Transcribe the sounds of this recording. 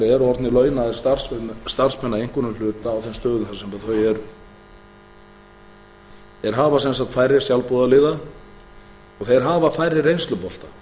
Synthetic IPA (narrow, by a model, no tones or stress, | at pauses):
ɾɛɾɔɾt̪nɪlœːɥnaðɛɾ̥st̪ar̥sɛst̪ar̥spʰɛnːaejŋ̥kʏnʏmlʏːt̪aːwθɛnst̪œːðʏnθasɛmpaθœjɛɾ | ɛɾɦaːvasɛnsakt̪fajɾɪ̥sjawlpuðalɪːða | ɔɣθeɛɾɦaːvafaːjɾɪrejnst̪lʏpɔl̥t̪a